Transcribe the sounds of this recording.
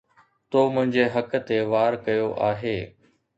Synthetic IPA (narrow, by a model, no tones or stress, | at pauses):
t̪oːmʊ̃ɦɪ̃ɲd͡ʑeɦɐkt̪eʋaːɾkɐjoʔaːɦeː